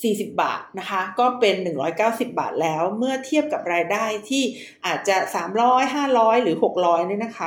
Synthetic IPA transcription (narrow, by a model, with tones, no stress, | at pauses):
siː˨˩si˨˩p̚ba̰ː˨˩t̪̚na˦˥kʰa˦˥kɔː˥˩pe˧nːɯ˨˩ŋɾɔ̰ː˦˥jkaː˥˩wsi˨˩p̚ba̰ː˨˩t̪̚lɛː˦˥wmɯ˥˩ɐt̪ʰi˥˩əp̚ka˨˩p̚ɾaː˧jdaː˥˩jt̪ʰiː˥˩ | ʔaː˨˩t̪̚t͡ɕa˨˩saː˩˦mɾɔː˦˥jɦaː˥˩ɾɔː˦˥jɾɯː˩˦ho˨˩k̚ɾɔː˦˥jnɯ˥˩na˦˥kʰa˦˥